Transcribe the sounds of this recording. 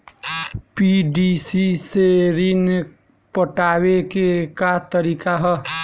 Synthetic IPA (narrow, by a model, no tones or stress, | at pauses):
piɖisiseɾin | pəʈawekekat̪əɾikaɦə